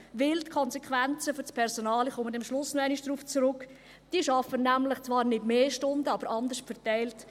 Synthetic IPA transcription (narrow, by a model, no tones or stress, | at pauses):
vɪltkʰɔnsekʰʋænt͡səfʏɾspʰɛɾsonɑːliχomədɛmʃlʊsnoɛɪniʃd̥ɾuːft͡sɾʊk | d̥iːʃɑfənːæmlɪχt͡svɑːɾnɪdmeːʃtʊndəɑbəɾʔɑndəʃtfɛɾtɛɪlt